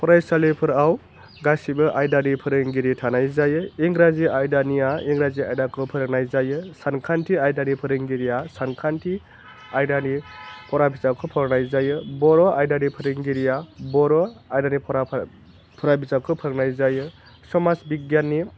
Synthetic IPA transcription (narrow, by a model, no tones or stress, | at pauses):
pʰɔɾajsalipʰɯɾaw | ɡasibɯʔajdanipʰɯɾɯŋɡiɾitʰanajzajɯiŋɡɾaziajdanijaiŋɡɾaziajdakʰɯpʰɯɾɯk̚najzajɯsankʰantʰiajdanipʰɯɾɯŋɡiɾijasankʰantʰi | ajdanipʰɔɾabizakʰɯpʰɔɾɾnajzajɯbɔɾɔʔajdanipʰɯɾiŋɡiɾijabɔɾɔajdanipʰɔɾa | pʰɔɾabizakʰɯpʰɯɾɯknajzajɯ | sɔmasbiɡjanːi